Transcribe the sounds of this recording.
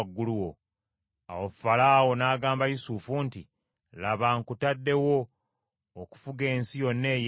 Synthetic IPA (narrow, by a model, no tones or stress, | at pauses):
ɡːuluwo̞ | a̰wofalaːwo̞naːɡaːmbajisuːfunti | laβaŋkutadːe̞wo̞ː | ku̥fuɡe̞ːnsijo̞nːe̞ːj